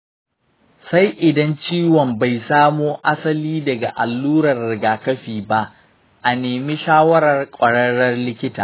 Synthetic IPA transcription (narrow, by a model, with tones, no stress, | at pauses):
sa˦jʔɪ˨dɐ˦nt͡ʃiː˦wɔ˨mba˨jsaː˦moː˦ʔa˦sɐ˦liː˦dɐ˨ɡa˨ʔa˨lːuː˦ɾɐ˨rːɪ˨ɡaː˨kɐ˦ɸiː˨ba˦ʔ | ʔa˨neː˨mi˦ʃaː˦wɐ˦ɾɐ˨rkʷʼɐ˨ɽɐ˦ɽɐ˦rlɪ˦kʲɪ˦ta̰ː˨